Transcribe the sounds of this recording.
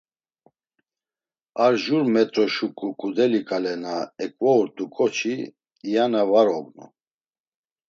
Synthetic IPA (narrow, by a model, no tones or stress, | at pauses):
aɾʒuɾmɛt̪ʼɾɔʃukʼukʼud̪ɛlikʼalɛnaɛkʼvɔuɾt̪ʼukʼɔt͡ʃʰiː | janavaɾɔbnṵ